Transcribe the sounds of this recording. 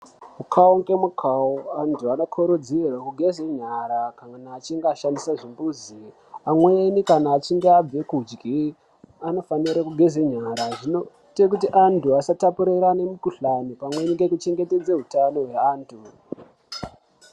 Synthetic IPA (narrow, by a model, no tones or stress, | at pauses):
ukʰaoŋɡemukʰauantʰuano̞kʰoɾod͡zirwakuɡʱe̞zeɲaɾakaanaːt͡ʃiŋɡeaʃandisaʐimbuzi | amwenikanaːt͡ʃiŋɡeab͡ve̞kud͡ʒɡʱi | ano̞faniɾakuɡʱe̞zeɲaɾaʐinoitek̬utiʔantuasatapuɾeɾanemikuɬanipamwe̞niɡe̞kut͡ʃe̞ŋɡe̞te̞d͡zeɦutano̞ɦweaːntʰu